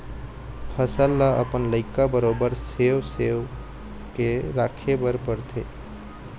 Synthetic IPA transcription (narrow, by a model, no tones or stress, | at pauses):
pʰəsəlːaʔə̰pənləɪkabəɾoːbəɾsewsew | keɾakʰebəɾpəɾt̪ʰḛ